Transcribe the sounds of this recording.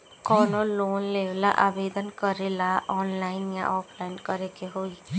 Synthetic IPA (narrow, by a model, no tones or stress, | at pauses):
kɔːnoloːnleːʋlaʔaːbeːd̪ənkəɾelaʔɔːnlaːɪnjã̰ʔɔːpʰlaːɪnkəɾekeɦoːiː